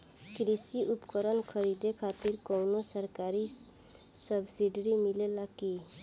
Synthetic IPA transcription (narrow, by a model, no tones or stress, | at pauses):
kɾisiupkəɾənkʰəɾid̪ekʰat̪iɾkɔwnosəɾkaɾi | səbsiɖɾimilelaki